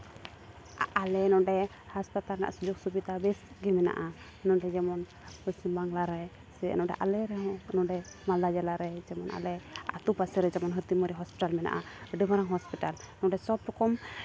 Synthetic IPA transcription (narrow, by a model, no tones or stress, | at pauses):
alɛnɔɖɛ | haspat̪aɾna̰ʔsud͡ʒɔk̚subid̪abɛsɡimɛna̰ʔa | nɔɖɛd͡ʒɛmɔn | pəsimbaŋlaɾɛ | sɛ̰nɔɖɛ̰ʔalɛɾɛɦɔ̃nɔɖɛ | mald̪ad͡ʒalaɾɛd͡ʒɛmɔnʔa̰lɛa̰t̪upasɛɾɛd͡ʒɛmɔnɦət̪imɔɾiɦɔspiʈalmɛna̰ʔaəɖəmaɾaŋɦɔspiʈal | nɔɖɛsɔbɾɔkɔm